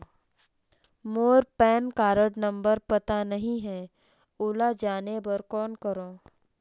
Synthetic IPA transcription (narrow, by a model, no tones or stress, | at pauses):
moːɾpɛːnkaːɾəɽnɐ̃mbəɾpɐt̪anɐɦĩɦɛː | ʊːlad͡ʒaːnebəɾkɔːnkəɾoː